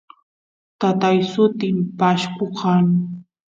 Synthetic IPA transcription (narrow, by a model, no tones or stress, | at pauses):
t̪at̪ajsʊt̪ɪmpaʃkoqʰɑŋ